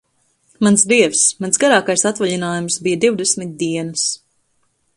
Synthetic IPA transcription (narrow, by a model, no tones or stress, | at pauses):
mansd̪iɛfsmansɡaɾaːkajsat̪vaʎinaːjumsbijəd̪iwd̪esmit̪̚d̪iɛnɨs